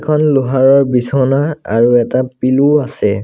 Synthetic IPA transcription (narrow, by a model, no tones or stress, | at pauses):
kʰɔnlʊɦaɹɔɹbisɔnaa̰ɹuɛtapiluasɛ